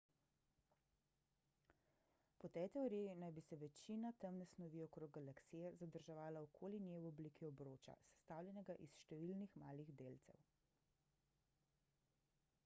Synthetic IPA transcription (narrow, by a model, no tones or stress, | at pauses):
pɔt̪ɛjt̪ɛɔɾijinajbisɛʋɛt͡ʃiːnat̪əmnɛsnɔʋiːɔkɾoɡɡalaksijɛzad̪əɾʒɛʋaːlaɔkʰoːlinewɔbliːkiɔbɾoːt͡ʃa̰sɛ̥st̪aːwljɛnɛɡaʔisʃt̪ɛʋiːlnixmaːliɣd̪eːlt̪sɛ̰w